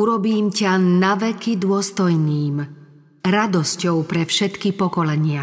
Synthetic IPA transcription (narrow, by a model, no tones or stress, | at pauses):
uɾɔbiːmcanaʋɛkid̪ʊɔst̪ɔjniːm | ɾad̪ɔscɔʊpɾɛfʃɛt̪kipɔkɔlɛɲɪa